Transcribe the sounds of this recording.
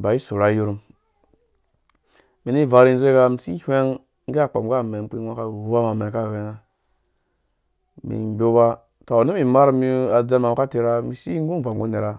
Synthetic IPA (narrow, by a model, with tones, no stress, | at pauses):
ba˨i˦su˨ɾa˨˦ju˦ɾu˦m | mi˨ni˦˨va˨ɾi˦n˦zʷɡa˧mi˨si˦hʷe˦ŋ˦ | ɡe˦a˦˨k͡po̰˨mɡa˦˨me˨ŋ˦k͡pi˦a˦ka˦˨u˦ba˦ma˨me˨ka˦˨ɡe˨na˦ | mḭ˨bo˦ba˦ | to˨ni˦mi˨ma˦ɾmi˦a˨d͡ze˦ma˨ka˦ti˦ɾa˦mi˨si˦ŋ˦ɡu˦˨va˨ŋɡu˦ne˨ɾa˦